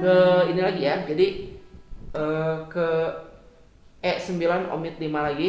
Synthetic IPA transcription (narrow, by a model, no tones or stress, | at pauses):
kəinilaɡijad͡ʒadi | əkə | ɛʔsəmbilano̰mɪt̪̚limalaɡi